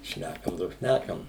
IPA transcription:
ˈʃʲnʲækɐm doː ˈʃʲnʲækɐm

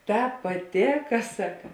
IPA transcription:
ˈtɑːp pɐˈtʲeːkɐ ˈsɑːkɐ

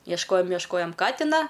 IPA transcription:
iɛʃˈkoːjoːm iɛʃˈkoːjoːm ˈkɑːtʲɪnɐ

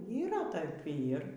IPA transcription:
iːˈrɐ ˈtɐɪp ˈiːr

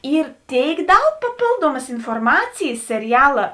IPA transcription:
ˈiːr ˈtʲeːɪk ˈdɐʊk pɐˈpʲeːlˠduɔmɐs ɪnfoːrˈmɑːt͡sʲɪjɪs sʲɛrʲɪˈjæːlˠɐ

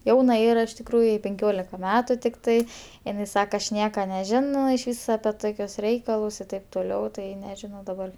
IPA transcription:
ˈjɛʊnɐ ˈiːrɐ ɪʃ tʲɪkˈruːjʊ jɛɪ pʲɛŋʲˈkʲoːlʲɪkɐ ˈmʲæːtʊ tʲɪkˈtɐɪ ɪˈnɐɪ ˈsɑːkɐ ɐʃ ˈnʲiɛkɐ nʲɛˈʒʲɪnoː ɪʃʲˈʋʲiːs ɐpʲɛ ˈtoːkʲʊs ˈrʲɛɪkɐlˠʊs ɪ ˈtɐɪp toːˈlʲɛʊ ˈtɐɪ nʲɛʒʲɪˈnɐʊ dɐˈbɐr

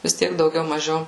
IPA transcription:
ʋʲɪs ˈtʲiɛk dɐʊˈɡʲɛʊ mɐˈʒʲɛʊ

